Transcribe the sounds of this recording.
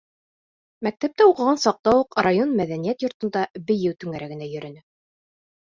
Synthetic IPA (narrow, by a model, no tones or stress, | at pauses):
mæk̚t̪æp̚t̪æuqɤ̆ʁɑnsɑq̚t̪ɑwuqrajonmæðænijæt̪jŏɾt̪ɤ̆nd̪ɑbɘ̆jɘwt̪ɵ̆ŋæɾæɡɘ̆næjɵ̆ɾɘ̆nɘ